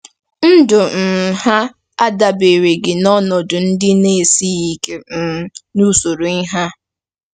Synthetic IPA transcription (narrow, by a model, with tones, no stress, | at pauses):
n̩˦dʊ˨m̩˨ha˦ | a˦da˨be˨ɾe˨ɡɪ˨nɔ˦nɔ˨dʊ˨n̩˦dɪ˦ne˦e˨si˦i˦ke˨m̩˨nu˦so˨ɾo˨i˦ɦa˦